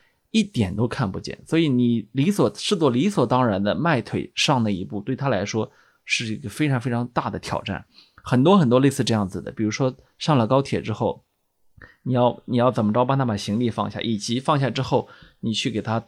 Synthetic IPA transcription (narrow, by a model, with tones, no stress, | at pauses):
i˥˩t̪jɛ˨˩nt̪o˥ʊkʰa˥˩npṵ˧t͡ɕjɛ̰˥˩nswɔ˧˥i˧˥ni˨˩li˧˥swɔ˨˩ʂɻ̩˥˧t͡swɔ˥˩li˧˥swɔ˨˩t̪ɑ˥ŋɻa˧˥nd̪ə˧ma˥˩ɪt̪ʰwe˨˩ɪʂɑ˥˧ŋnə˥˩i˧˥pu˥˩t̪we˥˩ɪt̪ʰa˥la˧˥ɪʂwɔ˥ | ʂɻ̩˥˩i˥˩ɡə˩fe˥ɪʈ͡ʂʰɑ˧˥ŋfe˥ɪʈ͡ʂʰɑ˧˥ŋt̪a˥˩d̪ə˩t̪ʰjɑ̰˨˩ʊʈ͡ʂa̰˥˩n | xə˨˩nt̪wɔ˥xə˨˩nt̪wɔ˥le˥˧ɪsɹ̩˥˧ʈ͡ʂɤ˥˧jɑ˥˩ŋd͡zɹ̩˩d̪ə̰˩pi˨˩ɻu˧˥ʂwɔ˥ | ʂɑ˥˩ŋlə˨˩kɑ˥ʊt̪ʰjɛ˨˩ʈ͡ʂɻ̩˥xo˥˩ʊ | ni˨˩jɑ˥˩ʊni˨˩jɑ˥˩ʊt͡sə˨˩nmə˦ʈ͡ʂpa˥˧t̪ʰa˥pa˨˩ɕi˧˥ŋli˥˧fɑ̰˥˧ŋɕja̰˥˩ʔi˨˩t͡ɕi˧˥fɑ˥˧ŋɕ̬ja˥˩ʈ͡ʂɻ̩˥xo˥˩ʊni˨˩t͡ɕʰy˥˩ke˨˩ɪt̪ʰa˥